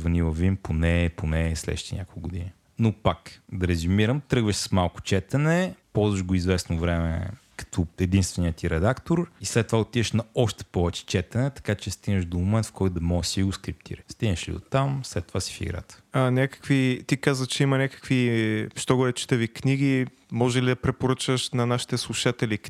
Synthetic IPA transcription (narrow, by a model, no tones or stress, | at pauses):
vɐnivˠəvimponɛponɛslɛ̰ʃit̪ḭnʲa̰kolˠkːɡʊd̪ini | nopakd̪ɐɾɛzumiɾəmt̪ɾɤɡvəʃssmalˠkʊ̥t͡ʃɛt̪ɛnɛpɔlˠzvəʃɡoizvɛsnovɾɛmɛ̰ | kɐ̥t̪ɔɛd̪inst̪vɛnijət̪iɾɛd̪akt̪oɾislɛt̪ːovaot̪id̪ɛʃnɐɔʃt̪ɛ̥pɔvɛt͡ʃɛ̥t͡ʃɛt̪ɛnɛt̪ɐ̥kat͡ʃɛst̪iɡnəʃd̪omomɛnt̪fkʰɔjt̪d̪ɐmɔɡəsiɡoskɾip̚t̪ʰḭɾəst̪iɡnəʃlḭd̪o̰t̪ːamslɛt̪ːovasi̥fḭɡɾa̰t̪ə̥anʲakə̥kvit̪ikazvət͡ʃɛimɐnʲakə̥kviʃt̪ɔɡɔɾʲɛt͡ʃi̥t̪əvikniɡi | mɔʒɛlid̪ɐpɾɛpoɾət͡ʃəʃnɐnaʃi̥t̪ɛslˠuʃat̪ɛli